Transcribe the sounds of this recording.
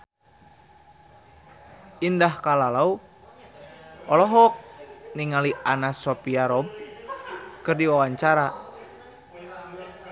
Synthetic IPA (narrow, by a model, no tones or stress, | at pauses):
indahkalalau | ɔlɔɦɔk̚niŋaliʔanasɔpiaɾɔb̚ | kɨrdiwawaɲt͡ʃaɾa